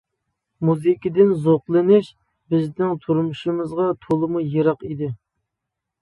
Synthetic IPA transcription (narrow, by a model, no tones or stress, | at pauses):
muzɪkʲid̪ɪnzoqlˠɨnɪʃ | bɪznɪŋt̪ʰuɾmuʃɨmɨzʁɑt̪ʰolˠɨmujeɾɑqid̪ɪ